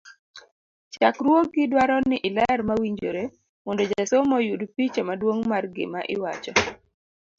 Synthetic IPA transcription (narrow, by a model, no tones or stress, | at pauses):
t͡ʃakɾwok̚ɡɪdwaɾɔnɪʔɪlɛɛɾmawiɲd͡ʒoɾe | mɔndɔd͡ʒasomɔjudpit͡ʃamadwoŋmarɡɪ̰maʔɪwat͡ʃɔ